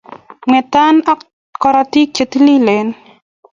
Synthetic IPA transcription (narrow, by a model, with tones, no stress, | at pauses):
ŋwɛ˨ta˦na˦k | kɔɾati˦k̚t͡ʃe˨t̪i˦li˦lɛ˨n